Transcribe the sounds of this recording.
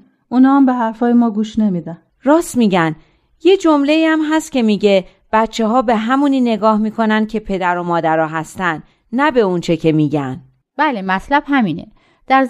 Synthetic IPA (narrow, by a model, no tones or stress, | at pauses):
ʔunɒːambeɦæɾfɒːjemɒːɡuːʃnemid̪æn | ɾɒːst̪miːɟæn | je̞d͡ʒo̞mle̞iːæmɦæst̪̚cʰe̞miːɟe̞ | b̥æt̪t͡ʃʰːeɦɒːbe̞ɦæmuniːne̞ɡɒːhmiːkʰo̞nænd̪̥̚cʰe̞pʰe̞d̪æɾo̞mɒːd̪æɾɒːɦæst̪ænd̪ | næbe̞unt͡ʃʰe̞cʰe̞miːɟæn | b̥ælemæt̪ʰlæb̥hæmiːnḛ | d̪̥æɾ